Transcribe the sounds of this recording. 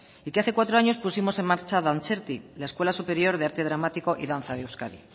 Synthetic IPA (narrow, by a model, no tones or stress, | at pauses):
ikeaθe̞kwat̪ɾo̞aɲo̞spusimo̞se̞mmaɾt͡ʃaðant͡ʃeɾt̪ilae̞skwe̞lasupe̞ɾjo̞ɾðeaɾt̪eðɾamat̪iko̞ʔiðan̟θaðewskaðḭ